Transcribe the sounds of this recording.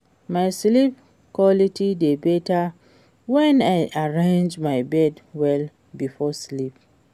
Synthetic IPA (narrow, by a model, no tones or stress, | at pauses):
majslip̚ | kwɔlitʰidebeta | wɛ̃najʔaɹẽnd͡ʒmajbɛdwɛl | bifɔslip̚